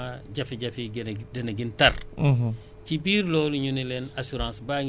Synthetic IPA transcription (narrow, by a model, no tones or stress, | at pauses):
aɟɐfiɟɐfidɐnaɡintar | cibiːɾloːluɲunilɛnasuɾãːsbaːɲ